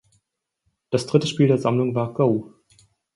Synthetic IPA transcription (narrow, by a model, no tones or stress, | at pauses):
d̥asd̥ʁɪtəʃpiːldeːɐzamlʊŋvaːɐɡoʊ